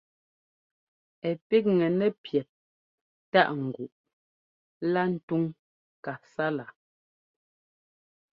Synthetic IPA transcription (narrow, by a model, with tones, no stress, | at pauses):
ɛ˨pi˦k̚ŋɛ˨nɛ˦pjɛ˨t̚ | ta˦ʔŋ̩˨ɡu˨ʔ | la˦n̩˦tu˦ŋ | ka˨sa˦la˨